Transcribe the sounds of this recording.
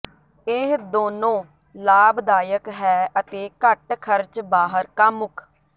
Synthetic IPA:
ɪd̪oːnõː | laːbd̪aːjəkɦɛːət̪eːkəʈkʰəɾt͡ʃbaːɦəɾkamʊkʰ

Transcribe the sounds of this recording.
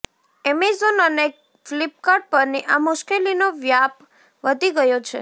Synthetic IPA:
ɛmizonəne | flip̚kaɾʈ̚pəɾniʔamʊʃkelinoʋjap | ʋəd̪ʱiɡəjot͡ʃʰḛ

